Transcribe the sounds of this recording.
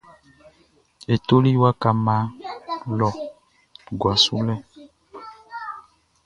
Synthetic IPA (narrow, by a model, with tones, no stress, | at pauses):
e˨t̪o˦li˦wa˦ka˨mã˨˦lɔ˨ | ɡwa˨su˦lɛ˦